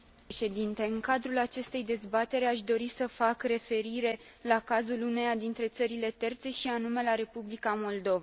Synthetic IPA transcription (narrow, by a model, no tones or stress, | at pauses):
ʃe̞d̪int̪e̞ɨŋkad̪ɾulat͡ʃe̞st̪e̞jd̪e̞zbat̪e̞ɾaʃd̪o̞ɾisəfakre̞fe̞ɾiɾe̞ | lakazulune̞jad̪int̪ɾe̞t̪səɾile̞t̪e̞rt̪se̞ʃianume̞laɾe̞publikamo̞ld̪o̞va